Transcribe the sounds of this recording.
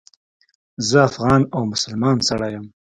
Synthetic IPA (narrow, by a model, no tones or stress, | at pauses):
zəafɣɑnawmʊsəlmɑnsaɽɑjəm